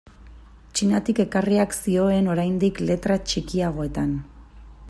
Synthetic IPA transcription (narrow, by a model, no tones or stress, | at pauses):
t͡ʃinat̪ike̞kariaksio̞e̞no̞ɾajnd̪ikle̞t̪ɾat͡ʃikiaɣ̞o̞e̞t̪an